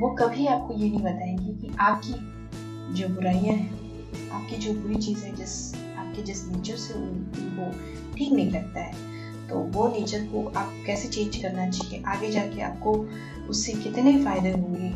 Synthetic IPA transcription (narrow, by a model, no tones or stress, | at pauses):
ʋoːkɐbʱiaːp̚kojenɦĩbɐt̪aːẽːŋɡikiʔaːp̚ki | d͡ʒoːbʊɾaːijãɦɛ̃ | aːp̚kid͡ʒoːbuːɾit͡ʃiːzɦɛ̃d͡ʒɪs | aːp̚kid͡ʒɪsniːt͡ʃəɾseʊḭʋo | ʈʰiːknɐɦĩlɐɡ̚t̪aɦɛː | t̪o̰ːʋoniːt͡ʃəɾkoʔaːpkɛːset͡ʃẽːnd͡ʒkɐɾnat͡ʃaːɦiḛʔaːɡed͡ʒaːkea̰ːp̚ko | ʊsːekɪt̪neifaːɪd̪eɦõːɡiː